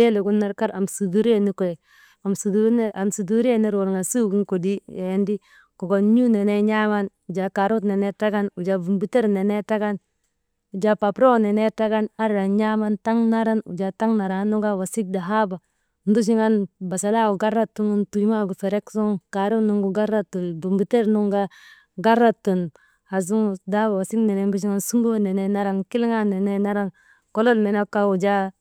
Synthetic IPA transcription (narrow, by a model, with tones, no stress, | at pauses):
e˦le˨ɡu˦nːa˦ɾka˦ɾa˨msu˨du˦ɾe˦ni˦ko˨je˨ | a˨msu˨du˦ne˦ʔa˨msu˨du˦ɾi˦e˦ni˦ɾo˨ɾŋa˨su˦ɡi˦ŋko˨di˦ja˨je˦ndi˦ | ko˨ɡo˨nɲu˦ne˨ne˦ɲa˦ma˦nu˨d͡ʒa˨ka˨ɾu˦tne˨ne˦ta˦ɡa˦nu˨d͡ʒa˨bu˨mbi˦te˦ɾne˨ne˦ta˦ɡa˦n | u˨d͡ʒa˨pa˨pɾo˦˨ne˨ne˦ta˦ɡa˦na˦ɾa˨ɲa˦ma˦nta˦ŋna˦ɾa˦nṵ˨d͡ʒa˨ta˦ŋna˨ɾa˨˦nu˦ɡa˦wa˨si˦k̚da˨ɦa˦ba˨ | n̩˦du˦ʃ̬i˦ŋa˦nba˨sa˨la˦˨u˨ɡa˦ɾa˦tu˦ŋu˦ntu˨jma˦˨ɡu˨fe˨ɾe˦ksu˦ŋka˨ɾu˦nu˦ŋɡu˦ɡa˦ɾa˦tu˨lbu˨mbi˨te˦ɾnu˦ŋɡa˦ | ɡa˦ɾa˦tu˨n | ha˨z̬u˦ŋ˦da˦ba˨wa˨si˦kne˨ne˨˦n˦bu˦ʃ̬i˦ŋa˦nsu˦ŋɡo˦ne˨ne˦na˦ɾa˦nki˦lŋa˦ne˨ne˦na˦ɾa˦n | ko˦lo˦lne˨na˦ka˦u˨d͡ʒa˦